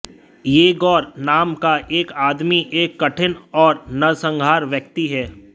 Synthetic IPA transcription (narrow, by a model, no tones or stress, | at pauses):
jeːɡɔːɾnaːmkaʔeːkaːd̪miʔeːkːɐʈʰɪnɔːɾnɐsə̃ŋɡʱaːɾʋjəkt̪iɦɛː